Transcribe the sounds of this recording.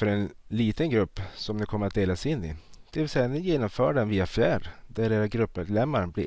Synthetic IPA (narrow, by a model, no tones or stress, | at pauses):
fœɾɛnliːt̪ənɡɾɵpːsɔmnɛkʰɔmːəɾat̪̚d̪eːlasɪnːɪ̰d̪̥ɛvɪlsɛjanɪjeːnɔmfœːɖɛnviːafjæːɖd̪æɾɖeːɾaɡɾɵpːmed̪lɛmːaɾblɪ